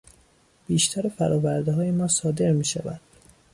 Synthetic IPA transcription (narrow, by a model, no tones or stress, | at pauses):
b̥iːʃt̪ʰæɾefæɾʔɒːvæɾd̪eɦɒːjemɒːsɒːd̪e̞ɾmiːʃæ̰væ̰nd̪̥